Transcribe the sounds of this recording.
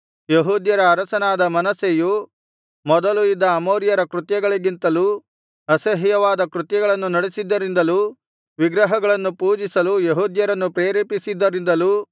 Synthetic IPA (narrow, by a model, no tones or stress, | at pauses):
jeɦuːd̪jɐɾɐːɾɐsɐnaːd̪ɐmɐnɐseju | mɔd̪ɐluid̪ːɐːmoːɾjɐɾɐkɾut̪jɐɡɐɭiɡint̪ɐluː | ɐsɐɦjɐʋaːd̪ɐkɾut̪jɐɡɐɭɐnːunɐɽesid̪ːɐɾind̪ɐluː | ʋiɡɾɐɦɐɡɐɭɐnːupuːd͡ʒisɐlujeɦuːd̪jɐɾɐnːupɾeːɾeːpisid̪ːɐɾind̪ɐluː